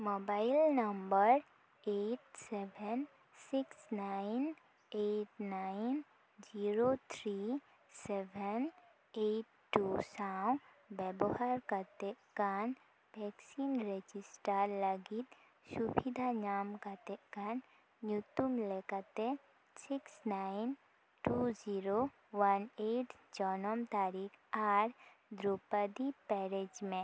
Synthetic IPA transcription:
mobajlnəmbəɾ | eʈsɛbʱɛn | siksnajn | eʈnajn | d͡ʒiɾot̪ʰɾi | sɛbɛn | eʈːusaw̃ | bɛbɔhaɾkat̪ɛʔkan | bʱɛksinɾed͡ʒisʈaɾlɐɡit̪ | subid̪ʱanaːmkat̪ekan | njut̪umlekat̪e | siksnaɪn | ʈuziɾo | ʋɐneʈd͡ʒɔnɔmt̪aːɾikʰaɾ | d̪ɾupəd̪ipɛɾed͡ʒmẽ

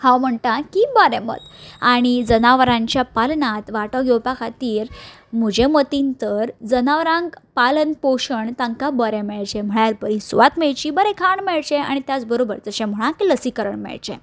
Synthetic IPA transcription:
hãwm̤əɳʈ̪ãkibəɾɛ̃mə̰t̪aɽ̃id͡zənaʋɾãɲt͡ɕjapalnat̪ʋaʈɔɡewpakʰat̪iːɾ | m̤ud͡ʑʱemət̪int̪əɾd͡zənaʋɾãŋɡpalənpoɕəɳt̪ãŋkabəɾɛ̃meɭd͡ʑɛ̃m̤əɭaɾbəɾĩsuʋat̪meɭt͡ɕiːbəɾekʰaɳmɛɭt͡ɕea̰ɽ̃it̪jat͡sbəɾobəɾd͡z̪əɕɛ̃m̤əɭ̃ãkiləsikəɾəɳmɛ̰ɭt͡ɕḛ̃

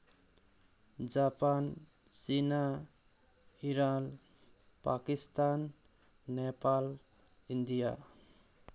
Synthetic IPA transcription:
d͡ʒapan | sina | iɾan | pakist̪anː | epal | ind̪ija̰

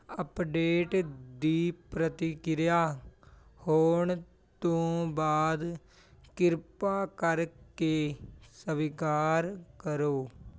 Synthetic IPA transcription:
əpɖeːʈd̪iːpɾət̪ɪkɪɾjaː | hoːɳ | t̪õːbaːd̪ | kɪɾpaːkəɾkeːsəʋɪkaːɾkəɾoː

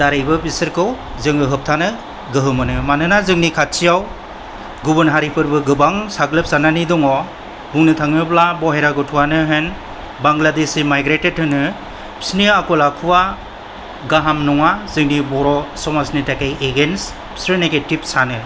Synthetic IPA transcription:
d̥aɾajbɯbisɯɾkʰɯw | zɯŋɯɦɯp̚tʰanɯ | ɡɯɦɯmɯnɯmanɯnazɯŋnikʰat̚t͡ʃijaw | ɡubɯnɦaɾipʰɯɾbɯɡɯbaŋsaɡlɯp̚sananidɔŋɔ | buŋnɯtʰaŋɯblabɔɦeɾaɡɯtʰuwanɯɦen | baŋɡladesimajɡɾetet̚hɯnɯ | pʰi̥sniakɔlakʰuwa | ɡaɦamnɔŋazɯŋnibɔɾɔsɔmasnitakajeɡens | pʰsɯɾneketip̚sanɯ

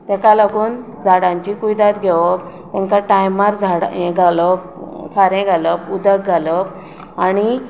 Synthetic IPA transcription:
t̪ɛkalaɡuːn | d͡zʱaɽãɲt͡ɕikujd̪at̪ɡʱeʋ | t̪ɛ̃ŋkaʈajmaɾd͡zʱaɽẽɡʱaləp | saɾẽɡʱaləpud̪ək̚ɡʱaləp̚ | aɽi

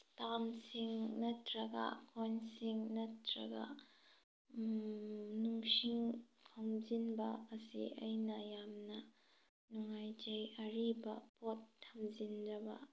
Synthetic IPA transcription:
stamsiŋnɐtɾɐɡɐ̰kʰɔnsiŋnɐtɾɐ̰ɡɐ̰ | nuŋsiŋkʰamzinbɐ̰ːsḭʔɐ̰jnɐjamnɐ | nuŋajd͡ʒejɐɾibɐpɔtʰːɐmzinzɐbɐ̰

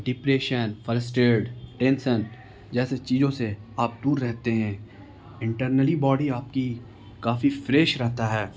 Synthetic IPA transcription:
ɖɪpɾeːʃənfəɾəsʈeːɖʈɛ̃ːnsən | d͡ʒɛːset͡ʃiːzõseaːp̚d̪uːɾːɛɦt̪eɦɛ̃ː | ɪ̃ɳʈəɾnəlibɔːɖiaːp̚ki | kaːfifɾeːʃɾɛɦt̪aɦɛː

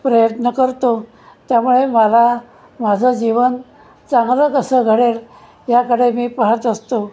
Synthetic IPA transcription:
pɾəjət̪nəkəɾt̪o | t̪jamuɭeməla | mad͡zʱəd͡ʑiʋən | t͡saŋɡɾəkəsəɡʱəɽel | jakəɽemiːpəɦət̪əst̪o

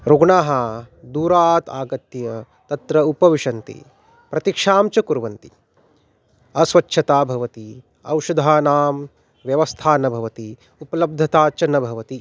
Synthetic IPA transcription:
ɾoɡɳaːɦɐd̪uːɾaːt̪aːɡɐt̪jɐ | t̪ɐt̪ɾɐupɐʋiʃɐnt̪ḭ | pɾɐt̪ikʂaːmt͡ʃɐkuɾʋɐnt̪i | ɐsʋɐtːʃʰɐt̪aːbʱɐʋɐt̪i | ɐ̰wʃɐd̪ʱaːnaːm | ʋjɐʋɐst̪ʰaːnɐbʱɐʋɐt̪i | upɐlɐb̚d̪ʱɐt̪aːt͡ʃɐnɐbʱɐʋɐt̪i

